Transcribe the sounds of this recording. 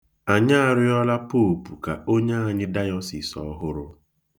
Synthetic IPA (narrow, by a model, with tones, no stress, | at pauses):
a˨ɲa˦a˨ɾɪ˦ɔ˦la˦po˦o˨pu˨ka̰˨o˦ɲe˦a˨ɲɪ˦da˦jɔ˦si˨sɔ̰˦ɦʊ˦ɾʊ˦